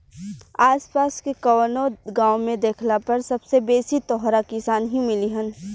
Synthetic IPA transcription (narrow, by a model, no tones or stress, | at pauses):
aːspaːskekɐwənoɡãːwmẽd̪eːkʰlapɐɾsɐbsebeːsit̪ɔːɦɾakɪsaːnɦimɪliɦə̃n